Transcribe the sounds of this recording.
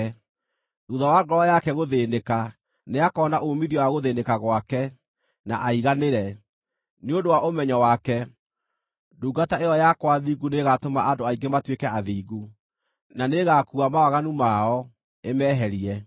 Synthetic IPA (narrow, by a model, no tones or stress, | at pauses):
ɾuðawaŋɡɔɾɔjakɛɣoðeːndeka | neakɔnaʔomiðiɔwaɣoðeːndekaɣwakɛ | naʔaiɣaneɾɛ | neondowaʔomɛɲɔwakɛ | duːɡataeɔjakwaðiːɡuneɣatomaʔandoaiŋɡematwekɛaðiːɡu | naneɣakuamawaɣanumaɔ | emɛːɦɛɾiɛ